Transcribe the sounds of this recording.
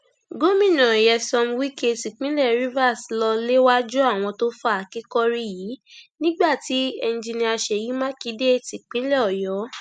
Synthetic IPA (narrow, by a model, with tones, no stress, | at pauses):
ɡo˦mĩ˦˨nã˨jɛ˧sɔ˧mwi˦ke˧ti˨k͡pĩ˦lɛ˦˨ɾi˦va˦˨slɔ˧le˦wa˦d͡ʒu˦a˦˨w̃ɔ̃˧to˦fa˦a˨ki˨˦kɔ˦ɾi˦jiː˨˦nĩ˦ɡ͡ba˦˨ti˨˦e˧n˨˧d͡ʒi˧nĩ˧˦a˧ʃe˨ji˨˦mã˦ki˨˦de˦ti˨k͡pĩ˨˦lɛ˦˨ɔ˨jɔ˨˦